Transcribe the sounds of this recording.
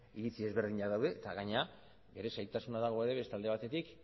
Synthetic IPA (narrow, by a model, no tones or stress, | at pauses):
iɾit͡sie̞zβe̞ɾð̞iɲaðawðe̞ːt̪aɣaɲea | be̞ɾe̞sajt̪asunaðaɣ̞o̞e̞ɾe̞βe̞st̪ald̪e̞β̞at̪e̞t̪ik